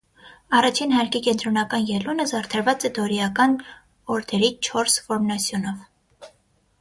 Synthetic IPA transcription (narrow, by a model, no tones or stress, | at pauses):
ɑrɑt͡ʃʰinhɑɾkikɛnt̪ɾɔnɑkɑnjɛlunəzɑrt̪ʰɛɾvɑt͡sɛd̪ɔɾiɑkɑn | ɔɾt̪ʰɛɾit͡ʃʰɔɾsfɔɾnɑsʰjɔnɔv